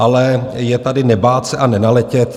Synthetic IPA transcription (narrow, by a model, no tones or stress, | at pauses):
ʔalɛjɛt̪adɪnɛbaːt̪sɛʔanɛnalɛcɛt̪